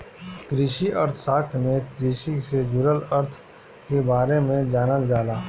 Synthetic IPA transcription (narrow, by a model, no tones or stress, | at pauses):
kɾɪʃiʔəɾt̪ʰʃaːst̪ʰɾmẽkɾɪʃised͡ʒʊɾələɾt̪ʰ | kebaːɾemẽd͡ʒaːnəld͡ʒaːlaː